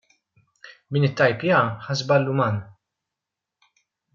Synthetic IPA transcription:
mɪːnɪt̪ːɐjpjɐħɐzbɐlːʊmɐːn

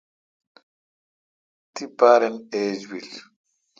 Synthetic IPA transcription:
tipaɾɛned͡ʒwil

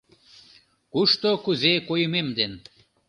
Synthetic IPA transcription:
kuʃt̪okuzekojmemd̪en

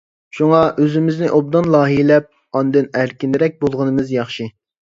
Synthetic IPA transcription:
ʃuŋɑʔøzɪmɪznɪʔob̚d̪ɑnlˠɑːɦilɛp̚ | ɑnd̪ɨnæɾkʲind̪ɪɾɛk̚ʲbolˠʁənɨmɨzjɑχʃi

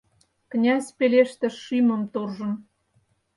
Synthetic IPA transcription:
knʲæsʲpeleʃt̪ĕʃimə̆mt̪orʒə̆n

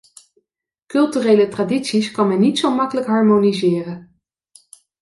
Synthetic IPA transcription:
kɵlˠtyrejlətraːditsiskɑnmɛnːitsowmɑkələkɦɑɹmonizɪːrən

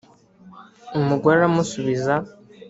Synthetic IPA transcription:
umuɡwaɾamusuβiza

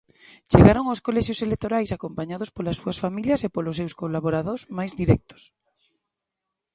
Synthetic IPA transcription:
t͡ʃeɣaɾoŋoskolɛʃjoselek̚t̪oɾajsakompaɲaðospolasːuasfamiljɐsepolosewskolaβoɾaðozmajzðiɾɛk̚t̪o̥s

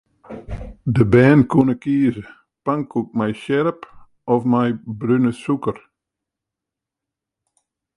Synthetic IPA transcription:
dəbɛːnkunəkiːzə | paŋkuk̚mɛjʃɛɾəp | ɔfmajbrynəsukər

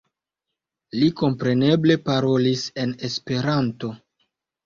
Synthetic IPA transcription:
liko̞mpɾe̞ne̞ble̞paɾo̞lise̞ne̞spe̞ɾanto̞

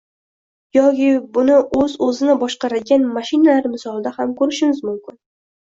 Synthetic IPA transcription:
jɒkʲɪbʊnɪʔɵzɵzɪnɪbɒʃqɑɾaɡʲanmaʃɪnalaɾmɪsɒlˠd̪ahamkʰɵɾɪʃɪmɪzmʊmkʲɪn

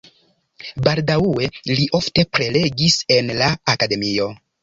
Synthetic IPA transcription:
baldaue̞liʔo̞fte̞pɾe̞le̞ɡise̞nlaːkade̞mio̞

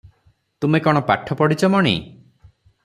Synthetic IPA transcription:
t̪umekɔɽ̃ɔpaʈʰɔpɔɽit͡ʃʰɔmɔɽ̃ḭ

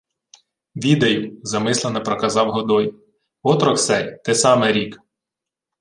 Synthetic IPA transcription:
ʋʲid̪ɐjʊzɐmɪslˠenɐpɾɔkɐzɑwɦɔd̪ɔj | ɔt̪ɾɔksɛjt̪ɪsɑmɛɾʲik

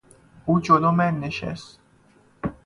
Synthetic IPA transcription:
uːd͡ʒoloːmænːeʃɛ̰st̪

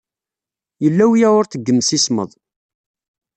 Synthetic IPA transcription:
jəlːæwjæʊɾθəɡːəmːsismə̰ðˤ

